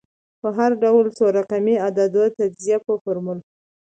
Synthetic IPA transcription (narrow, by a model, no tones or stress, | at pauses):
pəɦaɾɖawlsoɾaqamiad̪ad̪ət̪ad͡ʒzijapəfoɾmul